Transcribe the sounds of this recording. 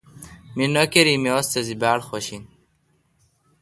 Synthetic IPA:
minokeɾimiɔst̪ezibaːɽxɔɕin

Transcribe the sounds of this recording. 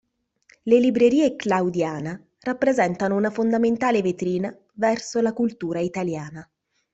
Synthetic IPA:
lelibɾeɾiːeklawd̪jaːna | rapːɾezɛnt̪anounafond̪ament̪aːlevet̪ɾiːna | vɛrsolakult̪uːɾait̪aljaːna

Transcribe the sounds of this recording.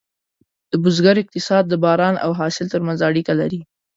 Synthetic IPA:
d̪̥əbʊzɡaɾɪq̚t̪ɪsɑd̪̚ːəbɑɾɑnʔa̰wɦɑsɪlt̪əɾmanzaːɽikalaɾi

